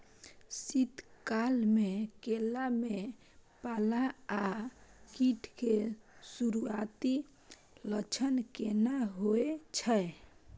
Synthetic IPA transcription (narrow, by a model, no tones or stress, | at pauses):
sit̪kalmekelame | palaakiʈʰkesuɾuat̪i | lət͡ʃʰənkenaɦoet͡ʃʰəe